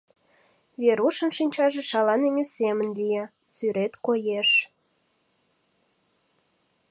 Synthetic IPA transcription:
βeɾuʃə̆nʃinʲt͡ɕɑʒeʃɑlɑneŋʲesemənlʲije | syɾet̪kojeʃ

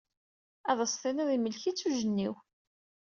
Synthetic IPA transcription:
ɑðˤəsˤθˤiniðˤiməlçit͡sːuʒənːiw

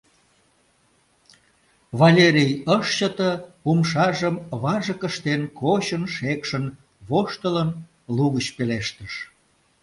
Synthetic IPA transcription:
βɑlʲeɾʲijəʃt͡ɕət̪əpumʃɑʒəmβɑʒəkəʃt̪enkot͡ɕənʃekʃən | βoʃt̪ələn | luɣət͡ɕpeleʃt̪əʃ

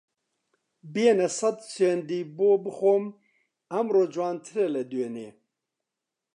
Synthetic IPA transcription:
bijenɛsɐd̪send̪iːboːbɨxoːm | ɐmɾoːd͡ʒwaːnt̪ʰɨɾɛlɛd̪eneː

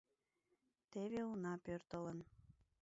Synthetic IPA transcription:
t̪eβeunɑpørt̪ələn

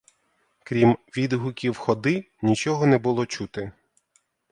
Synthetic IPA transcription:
kɾʲimʋʲid̪ɦʊkʲiwxɔd̪ɪ | nʲit͡ʃɔɦɔnɛbʊlˠɔt͡ʃut̪ɪ

